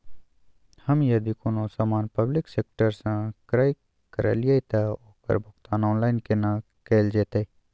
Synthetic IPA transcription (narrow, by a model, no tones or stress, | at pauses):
həmjəd̪iːkʊnõːsaːmaːnpəblɪkseːk̚ʈəɾsãkəɾaːi | kəɾa̰ːlɪjaːit̪aoːkə̰ɾbʱʊkt̪aːnɔːnlaːɪnkenaː | keːld͡ʒeːt̪eː